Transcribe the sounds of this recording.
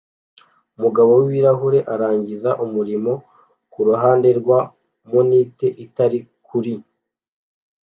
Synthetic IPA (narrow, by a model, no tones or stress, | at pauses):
umuɡaβo̞wwiɾaɦuɾe̞ʔaɾaːɲɟizaʔumuɾimo̞ | kuɾuɦaːnde̞ɾɡwa | moniːte̞ʔitaɾikʰuɾi